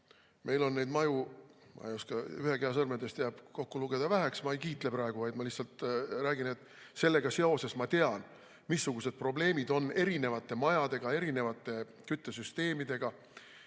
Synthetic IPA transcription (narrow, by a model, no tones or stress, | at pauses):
mʔe̞jlo̞nːe̞jd̪mɑjumɑ̰ejoskɑyhe̞keɑsɤrmed̪est̪jæb̥ko̞kːuluɡ̥e̞d̪̥ɑvæɦeksmɑejkiːt̪ˑle̞pɾɑe̞ɡ̥uvɑjd̪̥mɑliçsɑlt̪ɾæːɡine̞t̪ːˑ | se̞lːe̞ɡ̥ɑse̞o̞se̞smɑt̪e̞ɑn | misːuɡ̥use̞d̪̥̚pro̞ble̞ːmid̪o̞nːe̞ɾine̞vɑt̪ːˑe̞mɑjɑd̪̥e̞ɡ̥ɑe̞ɾine̞vɑt̪ːˑe̞ | kyt̪ːˑesyst̪e̞ːmid̪e̞ɡ̥ɑ